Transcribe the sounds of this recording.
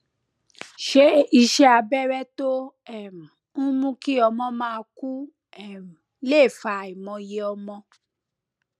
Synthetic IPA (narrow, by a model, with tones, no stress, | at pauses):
ʃe˦i˧ʃɛ˦a˧bɛ˦ɾɛ˦to˦ | ɛ˦˨ɾũ˨ | n̩˦mũ˦ki˦ɔ˧mɔ̃˦mãː˦˧ku˦ | ɛ˦˨ɾũ˨˦le˦˨fa˧i˨mɔ̃˧je˧ɔ˧mɔ̃˧